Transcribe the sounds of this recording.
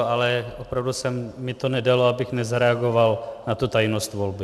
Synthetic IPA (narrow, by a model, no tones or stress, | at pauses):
alɛopɾavdusɛmːɪt̪o̞nɛdaloabɪxnɛzaɾɛaɡo̞valnat̪ut̪ajnost̪vo̞lbɪ